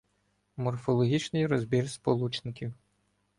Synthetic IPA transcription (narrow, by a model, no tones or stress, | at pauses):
mɔrfɔlˠɔɦʲit͡ʃnɪjɾɔzbʲirspɔlˠut͡ʃnɪkʲiw